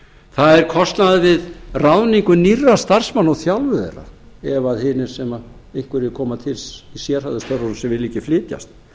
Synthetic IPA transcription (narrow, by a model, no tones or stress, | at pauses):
θaðɛɾkʰɔst̪naðvɪðrawniŋkʏnirːast̪ar̥smanːɔɣθjalvʏðḛra̰ɛvaðhɪnɪɾ̥sɛma | ehkvɪɾɪðɪkʰɔːmat̪ʰɪlsisjɛɾ̥haðɪst̪ʰœɾɔɾsɛmvɪlːiːcɪflɪːt̪ja̰st̪̚